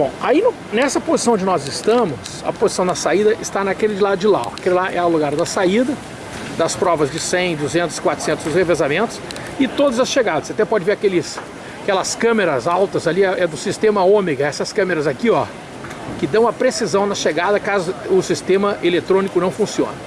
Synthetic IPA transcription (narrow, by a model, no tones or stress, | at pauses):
bõw̃ainʊ | nɛsɐpozisɐ̃w̃õd͡ʒɪnɔzɪst̪ɐ̃mʊs | ɐ̰pozisɐ̃w̃d̪ɐsaid̪ɐʔɪst̪anɐkelɪd͡ʒɪlad̪ʊd͡ʒɪla̰wakellaʔɛɐwluɡaɾd̪ɐsaid̪ɐ | d̪ɐspɾɔvɐzd͡ʒɪsẽj̃d̪uzẽnt̪ʊ̥z̥ɪkwat̪ɾʊ̥sẽnt̪ʊzd̪ʊshevezamẽnt̪ʊ̥s | ɪt̪od̪ɐzɐsʃeɡad̪ɐseat̪ɛpɔd͡ʒɪveɾakelɪs | akɛlɐskɐ̃meɾɐzawt̪ɐzaliɛʔɛd̪ʊsist̪ẽmɐõmeɡɐɛsɐskɐ̃meɾɐzakiɔ | kɪd̪ɐ̃w̃ɐpɾesizɐ̃w̃nɐʃeɡad̪ɐkazʊʊsist̪ẽmɐʔelet̪ɾõnikʊnɐ̃w̃fũsiõ̰nɐ